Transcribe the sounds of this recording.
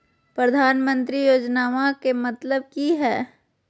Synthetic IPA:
pɾɐd̪ʱaːnmə̃nt̪ɾijoːd͡ʒnaːʋakemɐt̪ləb̚kiɦɛː

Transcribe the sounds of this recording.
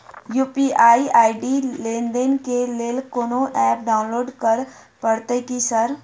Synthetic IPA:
juːpiʔaːiʔaːiɖilẽːnd̪enkeleːlkoːnoʔɛːp̚ɖaːʊ̃nloːɖkəɾ | pəɽt̪ekisɐɾ

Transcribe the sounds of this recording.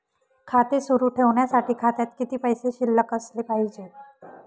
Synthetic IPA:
kʰat̪esuɾuːʈʰeʋɳjasaʈʰiːkʰat̪jat̪kit̪iːpəjseɕilːəkəslepaɦid͡ʑe

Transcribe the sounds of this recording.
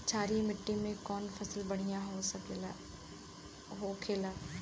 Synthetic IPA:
t͡ʃʰaːɾimɪʈːimẽkɔːnfʰɐsəlbɐɽ̤ijãɦo | ɦoːkʰeːlaː

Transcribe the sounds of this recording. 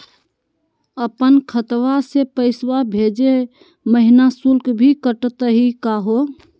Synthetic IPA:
əpənkʰət̪wasepəɪswabʱed͡ʒe | məɦinasulkbʱikəʈt̪əɦikaɦo

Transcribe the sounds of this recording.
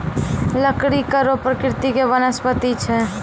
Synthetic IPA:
ləkɽikəɾopɾəkɾɪt̪ikebənəspət̪it͡ʃʰɛ

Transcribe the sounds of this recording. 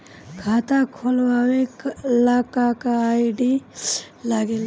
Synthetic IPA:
kʰaːt̪akʰolwaweklakakaːiɖi | laɡel

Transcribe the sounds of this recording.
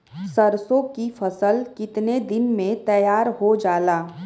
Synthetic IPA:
səɾsõkifʰɐsəlkɪt̪ned̪ɪnmẽt̪ɐjaːɾɦod͡ʒaːlaː

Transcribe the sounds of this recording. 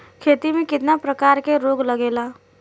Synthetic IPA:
kʰet̪imẽkɪt̪napɾəkaɾkeɾoɡləɡela

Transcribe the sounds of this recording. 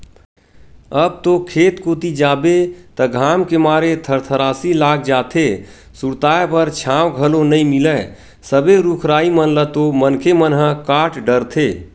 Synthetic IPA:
əb̚t̪okʰeːt̪koːt̪id͡ʒaːbet̪əɡʱaːmkemaːɾet̪ʰəɾt̪ʰəɾaːsilaːk̚ʰd͡ʒaːt̪ʰe | suɾt̪aːepəɾt͡ʃʰãːwɡʱəlonəĩmɪlə | səbeɾukʰɾaːimənlət̪omənkʰemənɦə̃kaːʈɖəɾt̪ʰeː

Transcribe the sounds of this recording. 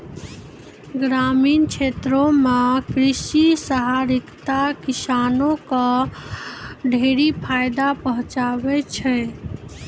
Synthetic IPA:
ɡɾaminkt͡ʃʰet̪ɾomekɾisisəɦaɾikt̪akisanokə̃ | ɖʱeɾipʰajd̪apəɦũt͡ʃabɛt͡ʃʰɛ

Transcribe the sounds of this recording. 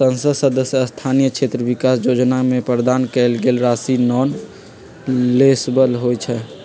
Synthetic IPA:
sə̃nsəsəd̪əsjəəst̪ʰanijəkt͡ʃʰet̪ɾəbikasd͡ʒod͡ʒnamẽpɾəd̪ankɛlɡelɾasinɔːn | lesbəlɦojt͡ʃʰɛ

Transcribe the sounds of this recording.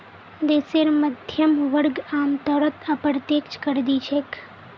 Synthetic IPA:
d̪eseɾməd̪ʱjəmʋəɾɡamt̪əɾət̪ʰəpɾt̪ekt͡ʃkəɾd̪it͡ʃʰek

